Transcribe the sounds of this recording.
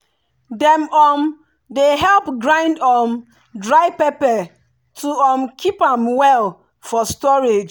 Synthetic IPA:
dɛ̃mɔm | deɦɛlpɡɹãɪ̃ndɔm | dɹaɪpepɛ | tʰuɔmkʰipãmwɛl | fɔstɔɹed͡ʒ

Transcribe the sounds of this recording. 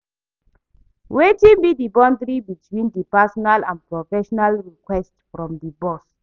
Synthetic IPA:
wetĩnbidibɔ̃ndɾibitʰwĩndipasɔnalãnpɹɔfɛʃɔnalɹikwɛstfɹɔ̃mdibɔs

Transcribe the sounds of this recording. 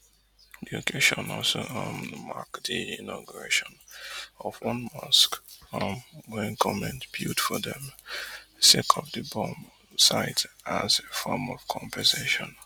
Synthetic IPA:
diokʰeʃɔ̃nɔ̰lsoʌmma̰kdiĩnɔɡuɹeʃɔ̃nɔvwʌ̃nmʌskʌmwɛ̃nkʰɔmɛ̃ntbjudfɔðɛ̃m | sekʰɔpdəbɔ̃m | saɪtazefɔmɔv̥kʰɔ̃mpʰɛzeʃɔ̃n

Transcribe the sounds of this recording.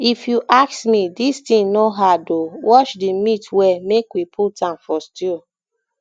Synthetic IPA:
ifjuʔaksmidistĩnoɦadowʔɔʃdimĩtwɛmekwipʰutãnfɔsti

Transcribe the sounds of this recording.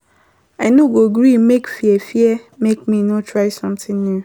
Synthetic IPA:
aɪnoɡoɡɾimekfiɛfiɛmek̚mĩnotʰɹaɪsɔ̃mtɪ̃nnu

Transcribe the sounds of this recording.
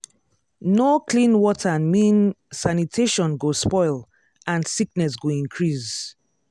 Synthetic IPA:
nokʰlĩnwɔtʰəmĩn | sanitʰeʃɔ̃nɡospɔɪl | ʔãnsik̚nɛs̬ɡoĩnkʰɹis

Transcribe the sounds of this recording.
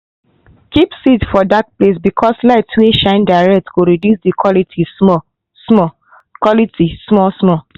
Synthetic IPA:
kipsitfɔdak̚ples̬bikʰɔslaɪtweʃãɪ̃ndaɪɹɛk̚tɡoɹedjusdikʰɔlitʰimɔ | smɔ | kwɔlitismɔsmɔ

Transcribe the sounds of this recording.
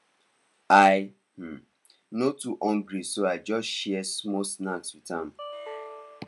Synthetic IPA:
aj | m̩ | notuʔɔ̃ŋɡɾisoaɪd͡ʒɔsʃɛɛsmɔsnãtswitãm

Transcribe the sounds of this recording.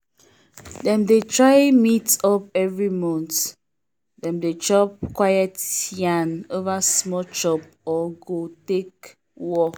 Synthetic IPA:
dɛ̃mdetɹajmitɔp̚ɛvɹimɔ̃nt | dɛ̃mdet͡ʃɔp̚kwajɛtjãnovasmɔt͡ʃɔp̚ɔɡotek | wɔ

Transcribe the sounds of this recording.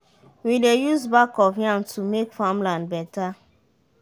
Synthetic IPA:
widejuzbakɔvjãntʰumekfãmlãnd̚bɛta

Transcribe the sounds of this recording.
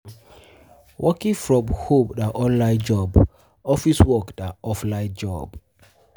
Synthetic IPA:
wʔɔkĩŋfɹɔ̃mhobdaʔɔ̃nlaɪ̃d͡ʒɔb | ɔfiswɔkdaɔflãɪd͡ʒɔ̰b

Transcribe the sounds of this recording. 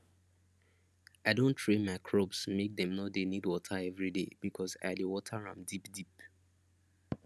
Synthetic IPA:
aɪdõntʰɹẽnmaɪkʰɹobsmek̚dɛ̃mnodenidwɔtʰaɛvɹideb̥ikʰɔsa̰ɪdewɔtʰəɹã̰mdipdip

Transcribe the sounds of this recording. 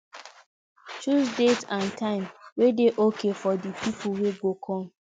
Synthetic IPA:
t͡ʃuzsdetãntʰãɪ̃mwedeʔokefɔdipip̩ʰweɡokʰɔ̃m̩

